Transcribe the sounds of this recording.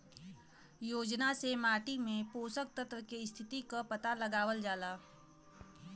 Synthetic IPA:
joːd͡ʒnasemaːʈimẽpoːsək̚t̪ət̪ɾəkest̪ʰɪt̪ikapɐt̪alɐɡaːʋəld͡ʒaːlaː

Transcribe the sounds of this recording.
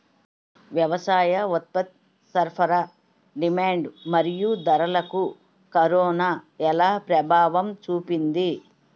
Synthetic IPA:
ʋjɐʋɐsaːjɐɔt̪̚pɐt̪̚ | sɐɾpʰɐɾɐ | ɖimaːɳɖmɐɾijud̪ɐɾɐlɐku | kɐɾɔːnaːɛlaːpɾɐbʱaːʋɐmt͡ʃuːpind̪i

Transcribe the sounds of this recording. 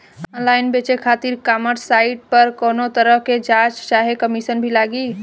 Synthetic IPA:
ɔnlajnbet͡ʃekʰat̪iɾkaməʈsaiʈ̚pəɾkonot̪əɾəɦked͡ʒat͡ʃt͡ʃaɦekəmisənbʱilaɡi

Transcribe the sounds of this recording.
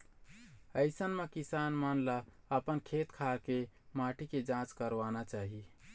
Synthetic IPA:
əɪsənmekisaːnmanla | əpənkʰet̪kʰaɾkemaʈʰiked͡ʒãt͡ʃkəɾʋanat͡ʃaːɦi

